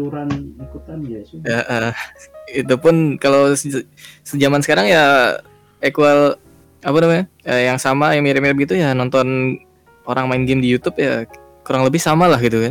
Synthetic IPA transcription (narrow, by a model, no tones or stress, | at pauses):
uɾanlikut̪anaəʔə | it̪upʊnkalows | səd͡ʒamansə̥kaɾaŋja | ekual | apanamaɲaəjaŋsamajaŋmiɾɪpmiɾɪp̚ɡit̪ujanɔnt̪ɔn | oɾaŋmaɪnɡɪmdijut̪ʊpja | kuɾaŋləbɪhsamalahɡit̪ukan